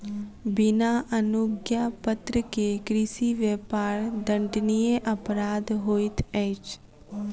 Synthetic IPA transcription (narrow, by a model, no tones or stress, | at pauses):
bɪnaʔənʊɡjapət̪ɾəkekɾɪsiʋeːpaːɾd̪ə̃ɳɖnijeʔəpɾaːd̪ɦoːɪt̪ʰɛːɪt͡ʃ